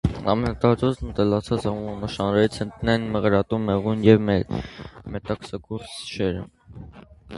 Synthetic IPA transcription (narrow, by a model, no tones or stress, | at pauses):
ɑ̰mɛnɑt̪ɑɾɔznət̪əlɑt͡sʰɑt͡sɑmuməməʃɑnɾɛit͡sʰənt̪nɛnməʁɾɑt̪umːɛʁunjɛvmɛ | mɛt̪ɑksɑkuɾsʃɛɾəm